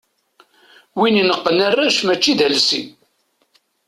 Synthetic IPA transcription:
wininəqːənərːæʃmæt͡ʃːiðælsḭ

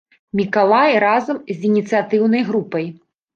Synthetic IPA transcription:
mʲikalˠajɾazɐmzʲinʲit̪sɨat̪ɨwnɐjɣɾupɐj

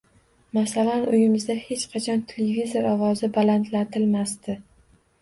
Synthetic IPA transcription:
masalanʊjɪmɪzd̪ahe̞t͡ʃqʰɑt͡ʃʰɒnt̪ʰelevizoɾɒvɒzɪbalant̪lat̪ʰɪlmast̪ɪ

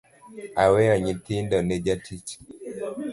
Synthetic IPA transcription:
awɛɔɲit̪ɪndɔnɛd͡ʒatʰit͡ʃi̥

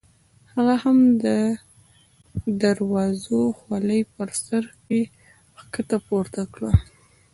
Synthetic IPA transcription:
haɣahamd̪ə | d̪aɾwɑzoxwaləjpəɾsaɾke | xkət̪apoɾt̪akɽa

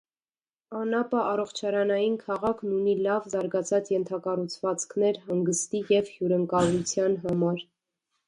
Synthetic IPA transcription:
ɑnɑpɑʔɑrɔχt͡ʃʰɑɾɑnɑjinkʰɑʁɑkʰnunilɑvzɑɾɡɑt͡sʰɑt͡sjɛnt̪ʰɑkɑrut͡sʰvɑt͡skʰnɛɾɦɑŋɡəst̪ijɛvhjuɾəŋkɑlˠut͡sʰjɑnɦɑmɑɾ

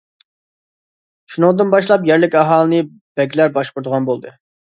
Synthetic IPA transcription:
ʃunɨŋd̪ɨnbɑʃlˠɑpjɛɾlɪkʲɑɦɑːlˠɨnɨ | b̥ɛɡʲilæɾbɑʃqʊɾd̪əʁɑnbolˠd̪ɨ

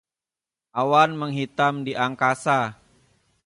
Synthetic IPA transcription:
ʔawanməŋɦit̪amdiʔaŋkasa

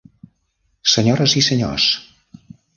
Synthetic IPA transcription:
səɲɔɾəzisəɲo̰s

